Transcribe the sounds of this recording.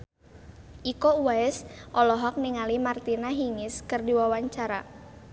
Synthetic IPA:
ʔikouwaɛsʔɔlɔɦɔk̚niŋalimart̪inaɦiŋɪskɨrdiwawaɲt͡ʃaɾa̰

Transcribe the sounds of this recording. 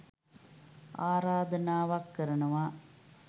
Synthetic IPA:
aːɾaːd̪ɐnaːʋakːɐɾɐnɐʋa

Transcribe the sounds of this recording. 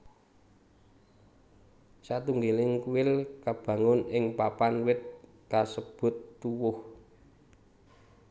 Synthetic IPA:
sat̪uŋɡelɪŋkuwɪlkab̥ä̤ŋʊnɪŋpapanwɪt̪̚ | kasəb̥ʊ̤t̪ːuwʊh

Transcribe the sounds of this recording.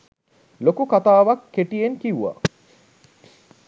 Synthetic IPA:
lokukat̪aːʋɐkːeʈijeŋkiuʋa̰

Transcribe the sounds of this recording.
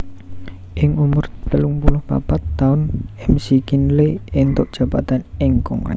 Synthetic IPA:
ʔɪŋumʊrt̪əluŋpulʊhpa̰pat̪ːaʊnɛmsikinleɪnt̪ʊʔdʒ̥a̤bat̪anɪŋkɔ̰ŋa̰

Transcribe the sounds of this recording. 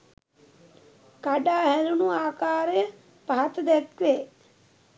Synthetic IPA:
kaɖaːɦɛlunuaːkaːɾjə | pat̪d̪ekʋeː

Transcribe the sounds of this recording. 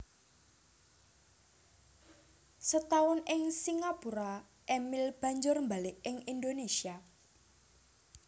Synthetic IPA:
sət̪aʊnɪŋsiŋapuɾa | ʔemɪlb̥a̤ɲd͡ʒʊrmbalɪʔɪŋind̪onesia

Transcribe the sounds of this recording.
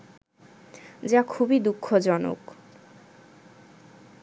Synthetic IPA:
d͡ʑakʰubid̪ukʰːod͡ʑɔno̰k

